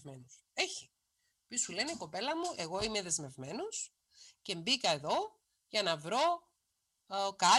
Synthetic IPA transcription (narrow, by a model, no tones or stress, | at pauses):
menus | e̞çi | pisule̞neiko̞pe̞lɐmuʔe̞ɣo̞ime̞ðe̞zme̞vme̞nos | ce̞mbikɐeðo̞ | ʝɐnɐvɾo̞ | kɐ